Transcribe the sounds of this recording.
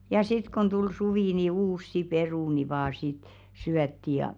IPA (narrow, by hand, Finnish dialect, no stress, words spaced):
jɑ sit kon tul suʋiˑ ni uːsːi peruˑni ʋɑː sit syætːi jɑ